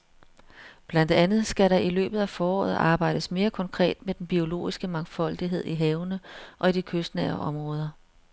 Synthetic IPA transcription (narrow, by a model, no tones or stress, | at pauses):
b̥læn̰d̥ænð̞̩ˠsɡ̥æɾɑ̈ilø̰ːb̥ð̞̩ˠæfɒːɒ̰ːð̞̩ˠɑ̈ːb̥ɑ̈ɪ̰d̥əsme̝ːɐkʰɒ̽ŋkʰʁɛ̰ːd̥med̥enb̥io̝lo̝̰ːisɡ̥əmɑ̈ŋfɒ̽l̰d̥iɦe̝ð̞̰ˠiɦɛːʊnəʔɒ̽id̥ikʰøsd̥nɛɐɒ̽mʁɔ̽ːð̞ˠɐ